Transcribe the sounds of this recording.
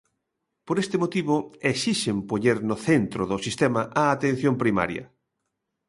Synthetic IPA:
poɾest̪emot̪iβoesiʃempoʎeɾnʊθent̪ɾoðosist̪emɐʔaːt̪ẽn̟θjompɾima̰ɾjɐ̰

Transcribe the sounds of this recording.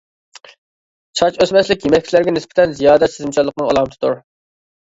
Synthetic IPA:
t͡ʃʰɑt͡ʃøsmɛslɪkʲjemɛkʲʰːt͡ʃ̪ʰlæɾɡʲɛnɪspɪ̥t̪ʰɛnzijɑːd̪ɛt̪sɪzɪmt͡ʃʰɑlːˠəq̚nɨŋɑ̰lˠɑmt̪ɨ̥t̪uɾ

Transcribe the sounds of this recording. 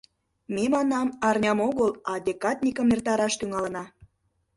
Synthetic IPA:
memɑnɑmɑrnʲɑmoɣəlɑd̪ʲekɑt̪ʲnʲikəmert̪ɑɾɑʃt̪yŋɑlə̆nɑ

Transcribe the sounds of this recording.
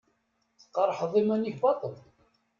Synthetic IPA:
θə̥qːɑɾˤħðˤimæniçbɑt̪ˤəl

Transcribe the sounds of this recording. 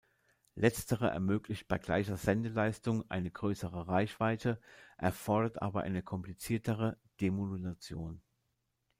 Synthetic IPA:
lʔɛt͡stʰəʁəʔɛ̰ɐmøːklɪçt̚b̥aɪɡla̰ɪçɐzɛndəlaɪstʊŋʔa̰ɪnəɡʁøːsəʁəʁaɪçv̥aɪtʰəʔɛɐfɔɐɾɐtʔa̰ːbɐʔa̰ɪnəkʰɔmplit͡siːɐtʰəʁə | d̥emolulat͡sjoːn

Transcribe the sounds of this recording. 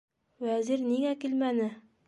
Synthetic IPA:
wæziɾniŋækilmænɘ

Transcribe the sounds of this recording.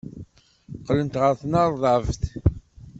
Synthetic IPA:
qːlənt̪ʁəɾθnɑɾˤðˤɑvθ

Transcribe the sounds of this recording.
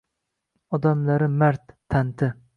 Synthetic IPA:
ɒd̪amlaɾɪmæɾt̪ʰːant̪ʰɪ

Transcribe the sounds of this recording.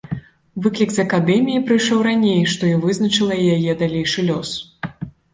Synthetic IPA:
vɨklʲikzɐkad̪ɛmʲijipɾɨjʂɔwɾanʲejʂt̪ɔivɨznɐt͡ʂɨlˠɐijajɛd̪alʲejʂɨlʲɔs

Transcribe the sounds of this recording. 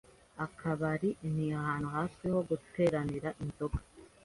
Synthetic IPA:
akʰaβaɾin̥iahaːn̥huhaːsiho̞ɡutʰe̞ːɾaniɾaʔinzo̞ɡḁ

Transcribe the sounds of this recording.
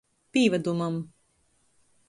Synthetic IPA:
pʲiːvad̪umam

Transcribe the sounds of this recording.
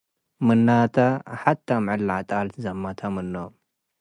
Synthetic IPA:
mɨnːat̪ʰaħat̪ʰːamʕɨlaʕt̪ʼalʰzɐmːat̪ʰɐmɨnːo

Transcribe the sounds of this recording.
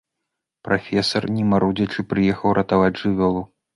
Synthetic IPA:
pɾafʲɛsɐrnʲɛmaɾud͡zʲɐt͡ʂɨpɾɨjɛxɐwɾʔɐt̪avad͡zʲʐɨvʲɔlˠu

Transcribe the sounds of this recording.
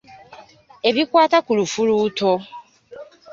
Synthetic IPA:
eβikwaːtakulufuluːto

